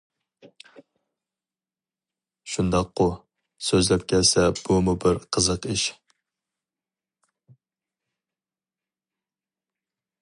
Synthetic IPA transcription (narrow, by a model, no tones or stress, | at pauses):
ʃund̪ɑqːʊ | søzlɛp̚kʲʰɛlsɛb̥umubɪɾqʰəzəqiʃ